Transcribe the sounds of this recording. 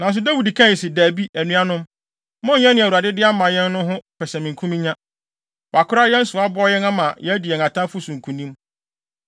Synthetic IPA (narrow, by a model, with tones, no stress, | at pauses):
nã˨n̩˨s̬ʊ˦dæ˦wi˨di˨kʰã˦˨si˨dæ˨bi˦ʔæ˨nũ˦a˦nʊ̃˦m | mɔ̃˦˨ɲã˦nɪ̃˨wu˨a˨dɪ˦dɪ˦a˦mã˨jɛ̃˦nː˦ʊ̃˦ɦʊ̃˦pʰɛ˨sɛ˨mɪ̃˨ŋkʰũ˦mĩ˦ɲã˦ | wa˨kʰʊ˦ɾa˦jɛ̃˦n̩˦sʊ˨a˦bɔ˦jɛ˦nã˦mã˨jɛ˦di˨ɛ˨ŋã˨tʰã˦fʊ˦sũ˨ŋ̩˨kʰũ˨nĩ˦m